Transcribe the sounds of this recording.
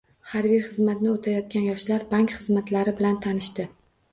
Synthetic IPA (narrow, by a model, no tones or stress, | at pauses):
haɾvijχɨzmat̪nɪot̪ʰajɒt̪̚kʲanjɒʃlaɾbaŋkʲχɨzmat̪laɾɪbɪlant̪ʰanɪʃt̪ɪ